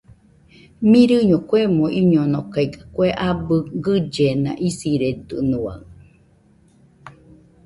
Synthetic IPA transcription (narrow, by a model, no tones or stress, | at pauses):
miɾɨɲokwemoʔiɲonokaikḁkʷeʔabɯɡɨd͡ʒenã̰ʔisiɾed̪ɨ̰nua̰ŋ